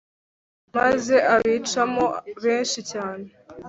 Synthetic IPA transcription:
maze̞ʔaβiːt͡ʃamo̞βe̞ːnʃicaːne̞

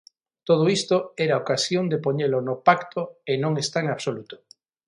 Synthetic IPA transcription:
t̪oð̞oist̪oeɾaokasjond̪epoɲelonopakt̪ʰoenõŋest̪aeŋaβsolut̪o̥

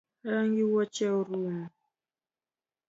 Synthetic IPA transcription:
əŋɡiwɔt͡ʃɛɾum

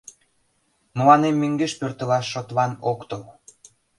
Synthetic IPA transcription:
məlɑnemːeŋɡeʃpørt̪ə̆lɑʃːot̪lɑnokt̪əl

